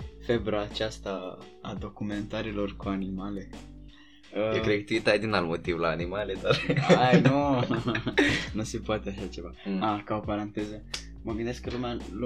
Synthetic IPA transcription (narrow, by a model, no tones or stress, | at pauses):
fe̞bɾaːt͡ʃast̪a | a̰d̪o̞kume̞nt̪aɾilo̞rkuanimale̞ | əekɾeɡt̪uit̪ajd̪inalmot̪ivlaːnimaled̪arajnu | nuse̞poat̪eaʃat͡ʃe̞vaakao̞paɾant̪e̞zə | məɡɨnd̪esklumeal